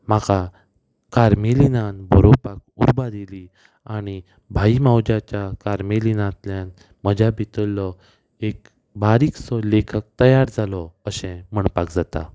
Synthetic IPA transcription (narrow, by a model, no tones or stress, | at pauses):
makʰa | kaɾmelinanbʱəɾopakṵɾbad̪eli | añi | bʱaimawd͡ʑat͡ɕjakaɾmelinãt̪ljãn | məd͡ʑabit̪əlːɔ | ek | bʱaɾiksɔlekʰək̚t̪əjaɾd͡zʱalɔəɕɛ̃m̤əɳpakd͡zat̪a̰